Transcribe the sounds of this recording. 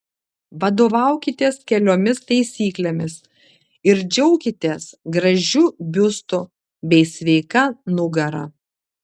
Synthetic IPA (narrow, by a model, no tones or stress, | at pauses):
ʋɐd̪oːʋɑˑʊkʲɪt̪ʲeːskʲɛlʲoːmʲɪst̪ɐɪsʲiːklʲemʲɪs | ɪɾd͡ʒʲɛʊkʲɪt̪ʲeːsɡɾɐʒʲuːbʲʊst̪ʊ | bʲɛɪsʲʋʲɛɪkɐnʊɡɐɾɐ̰